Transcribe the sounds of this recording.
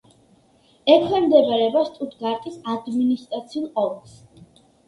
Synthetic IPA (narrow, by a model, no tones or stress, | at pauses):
ɛkʰwɛmd̪ɛbaɾɛbast̪ʼut̪ʰɡaɾt̪ʼisad̪minist̪ʼɾat̪sʰiulˠqʼɔls